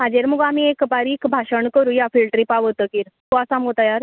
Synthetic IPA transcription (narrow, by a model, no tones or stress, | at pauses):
mad͡ʑeɾmuɡamiekbaɾiːkbʱaɕəɳkəɾuːjafilʈɾiːpaʋət̪əːkiːɾt̪oasaməɡot̪ajaɾ